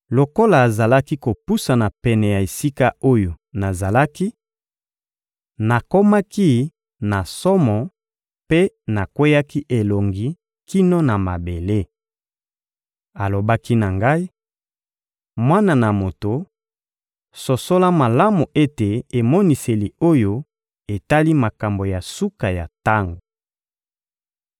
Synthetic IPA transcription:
lo˨ko˦laː˨za˨la˦ki˦ko˨pu˦sa˨na˨pɛ˨nɛ˨ja˨e˨si˦ka˦o˦jo˨na˨za˨la˦ki˦ | na˨ko˦ma˦ki˦ | na˨sɔ˦mɔ˨ | pe˦ | na˨kwe˦ja˦ki˦ʔe˨lo˨ŋɡi˦ | ki˦noɔ˦na˨ma˨be˨le˦ | a˨lo˨ba˦ki˦na˨ŋɡa˦i˦ | mwa˦na˨na˨mo˨to˨ | so˨so˦la˦ma˨la˦mu˨ʔe˦te˨e˨mɔ˦ni˨se˨li˨o˦jo˦ | e˨ta˦li˦ma˨ka˨mbo˨ja˨su˦ka˨ja˨ta˦ŋɡo˨

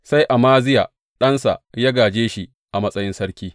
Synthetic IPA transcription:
sa˦jʔa˨maː˦zɪ˦ja̰ː˨ | ɗɐ˦nsa̰˨ʔjaː˦ɡaː˨d͡ʒeː˦ʃi˦ | ʔa˨mɐ˦sʼɐ˦jɪ˦nsɐ˦ɾkʲiː˦

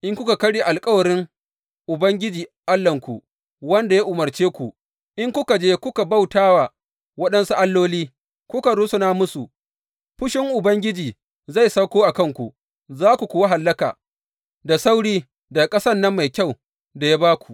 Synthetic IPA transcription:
ʔɪ˦ŋkʷʊ˦ka˨kɐ˦ɽiː˦˨ʔa˨lkʼɐ˦wɐ˨ɾɪ˦ŋ | ʔʊ˨bɐ˦ŋɡʲɪ˦d͡ʒiː˨ʔa˦lːɐ˨ŋkʷu˨ | wɐ˦nda˨ja˦ʔʊ˨mɐ˨rt͡ʃeː˦kʷu˨ | ʔɪ˦ŋkʷʊ˦ka˨d͡ʒeː˦kʷʊ˦ka˨ba˦wtaː˦wa˨ | wɐ˦ɗɐ˦nsu˦ʔa˦lːoː˦liː˦ | kʷʊ˦ka˨ɾu˦sʊ˦naː˦mʊ˦su˨ | ɸʊ˦ʃɪ˦ŋʔʊ˨bɐ˦ŋɡʲɪ˦d͡ʒiː˨ | za˦˨jsɐ˦kʷoː˦ʔa˨kɐ˦˨ŋkʷu˨ | zaː˦kʷu˨kʷuː˨wa˦ɦa˨lːɐ˦ka̰ː˨ | da˨sa˦wɽiː˦ | da˨kʼɐ˦sɐ˦nːɐ˦mːa˨jkʲa˦˨w | da˨ja˦baː˦kʷu̥˨ʔ

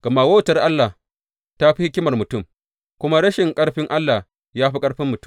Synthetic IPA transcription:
ɡ̥ɐ˨ma˨woː˦˨tɐ˦rʔa˦lːa˨ | ta˦ɸi˦hɪ˦kʲɪ˦mɐ˨rmʊ˨tʊ˦˨m | kʷʊ˦ma˦ɽɐ˦ʃɪ˨ŋkʼɐ˦ɽɸɪ˦ŋʔa˦lːa˨ | jaː˦ɸi˦kʼɐ˦ɽɸɪ˦mːʊ˨tʊ̥˦

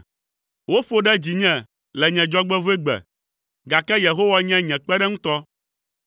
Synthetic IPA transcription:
wo˦ɸo˦ɖɛ˦d͡ʑi˨ɲɛ̃˨ | lɛ˨ɲɛ̃˨d͡ʒɔ˦ɡ͡bɛ˦vo˦e˦ɡ͡bɛ̰˨ | ɡa˨kɛ˦je˨ɦo˦wa˦ɲɛ̃˦ɲɛ̃˨k͡pɛ˦ɖɛ˦ŋũ˦t̪ɔ˦

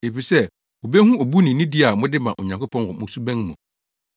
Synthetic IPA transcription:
e˨fi˨sɛ˦ | o˨be˦hũ˦o˨bu˦nĩ˨nĩ˦di˦a˨mʊ̃˦dɪ˦mã˨ʔɔ˨ɲã˨ŋko˦pʰɔ̃˦nwɔ˨mʊ̃˨˦su˦bæ̃˦n˦mʊ̃˨

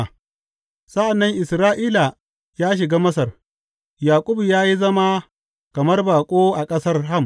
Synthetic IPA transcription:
sɐ˦ʔa˨nːɐ˦ŋʔɪ˨sɾaː˦ʔiː˦la˨ | jaː˦ʃ̬ɪ˨ɡaː˦mɐ˦s̬ɐ˨r | jaː˨kʷʼʊ˦bjaː˦ji˦zɐ˦ma˦ | kɐ˨mɐ˦rbaː˨kʷʼoː˦ʔa˨kʼɐ˦sɐ˦rɦɐ˦m

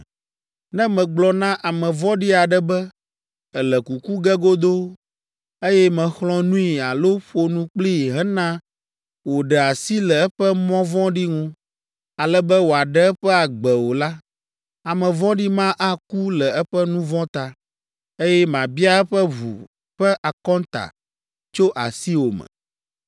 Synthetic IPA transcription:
nɛ̃˦mɛ̃˨ɡ͡blɔ˨nã˦ʔa˨mɛ̃˨vɔ̃˦ɖi˦a˨ɖɛ˨bɛ˦ | ɛ˨lɛ˨ku˨ku˦ɡɛ˦ɡo˦d̪o˦ | e˦jɛ˦mɛ̃˨xlɔ̃˦nũ˦i˨a˨lo˦ɸo˦nũ˦k͡pli˦˨ɦɛ̃˦nã˦ | wo˨ɖɛ˨a˨si˦lɛ˨ɛ˦ɸɛ˦mɔ̃˦vɔ̃˦ɖi˦ŋũ˦ | a˨lɛ˦bɛ˦wo˨a˨ɖɛ˦ɛ˦ɸɛ˦a˨ɡ͡bɛ˨wo˨la˦ | a˨mɛ̃˨vɔ̃˦ɖi˦mã˦ʔa˦ku˦lɛ˨ɛ˦ɸɛ˦nũ˦vɔ̃˦t̪a˨ | e˦jɛ˦mã˨bi˦a˦ɛ˦ɸɛ˦βṵ˨ | ɸɛ˦ʔa˨kɔ̃˦nt̪a̰˨ | t͡ʃo˦ʔa˨si˦wo˨mɛ̰̃˨

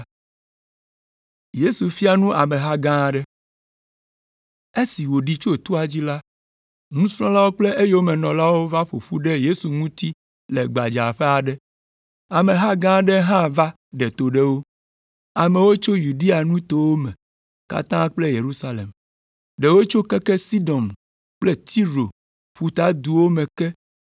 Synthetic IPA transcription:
je˦su˨fi˦a˦nũ˦ʔa̰˨mẽ˨ɦa˦ɡã˦˨ɖɛ˦ | e˦si˨wo˨ɖi˦t͡ʃo˦t̪u˦a˨d͡ʑi˦la˦ | ŋũ˦sɾ̃ɔ̃˦la˦wo˦k͡ple˦ʔe˦jwo˦mɛ˨nɔ̃˨la˦wo˦va˦ɸo̰˨ɸu˦ɖe˦je˦su˨ŋũ˦t̪i˦ | le˨ɡ͡ba˨d͡ʒa˨ɸe˦a˨ɖɛ˦ | a˨mẽ˨ɦa˦ɡã˦ɖɛ˦ɦã˦va˦ | ɖɛ˨t̪o˨ɖɛ˦wo˦ | a˨mẽ˨wo˦t͡ʃo˦ju˨ɖi˦a˨nũ˦t̪o˨wo˦mɛ̃˨ | ka̰˨t̪ã˦k͡ple˦je˨ɾu˦sa˦lḛ˨m | ɖe˨wo˦t͡ʃo˦kɛ˦kɛ˦si˦d̪ɔ˨m | k͡plɛ˦t̪i˦ɾo˨ | ɸu˨t̪a˦d̪u˨wo˦mẽ˨kɛ˦

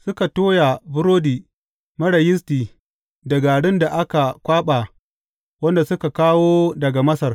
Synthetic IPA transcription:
sʊ˦ka˨toː˦ja˨bʊ˦ɾoː˦diː˨ | mɐ˦ɽɐ˨jɪ˦s̬tiː˨ | dɐ˨ɡa˨ɽɪ˦nda˨ʔa˦ka˨kʷaː˦ɓaː˨ | wɐ˦nda˨sʊ˦ka˨kaː˦woː˦dɐ˨ɡa˨mɐ˦sɐ˨r

